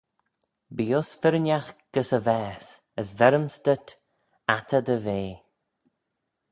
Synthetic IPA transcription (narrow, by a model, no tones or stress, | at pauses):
biːʊsfɪɾənʲaxɡ̥əsəvɛːsəsvɛɾəmst̪ət̪ | at̪ʰəd̪əveː